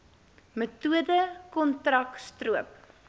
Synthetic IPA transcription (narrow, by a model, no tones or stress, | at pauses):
mətuədəkɔntrɐkstruəp̚